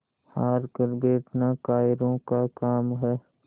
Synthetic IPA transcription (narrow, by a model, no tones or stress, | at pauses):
haːɾkəɾbeːʈnakaːjɪɾõkakaːmɦɛː